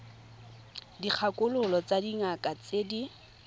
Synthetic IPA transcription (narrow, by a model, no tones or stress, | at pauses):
dik͡xʰakʊlʊlɔt͡sadiŋakʼat͡sedi